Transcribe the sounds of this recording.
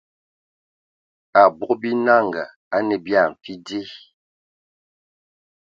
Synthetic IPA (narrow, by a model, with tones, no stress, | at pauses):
a˨bɔ˦kbi˦na˦˨ŋɡa̰˨ | a˦nɛ˨bja˦˨ɱ˨fi˦de˦